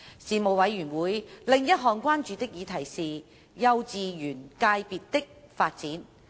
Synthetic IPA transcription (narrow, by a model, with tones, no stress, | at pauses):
siː˨˩mo˨˧wwɐ˨˧jːyː˨˩nwuː˨˧jlɪ˨˧ŋjɐ˥t̚ɦɔː˨ŋkʷaː˥nt͡ʃyː˨t̪ɪ˥k̚jiː˨˧t̪ʰɐ˨˩jsiː˨ | jɐ˧wt͡siː˨˧jyː˨˩nkaː˧jpiː˨t̚t̪ɪ˥k̚faː˧t̚t͡siː˨˥n